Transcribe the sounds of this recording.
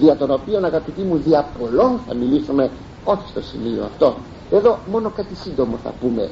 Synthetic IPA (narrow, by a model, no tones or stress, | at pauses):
ðiɐt̪o̞no̞pio̞nɐɣɐpit̪imuðiɐpo̞lo̞nθɐ̰milisume̞ | o̞çi̥st̪o̞sḭmio̰ɐ̰ft̪o̞ | e̞ðo̞mo̞no̞kat̪isind̪o̞mo̞θɐ̰pume̞̰